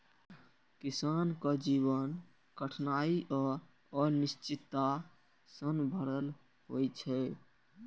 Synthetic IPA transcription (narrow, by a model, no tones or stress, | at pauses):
kisankəd͡ʒiβən | kəʈʰnaiʔɔ | ɔɾnist͡ʃit̪ːa | sənbʱəɾəl | ɦojt͡ʃʰɛ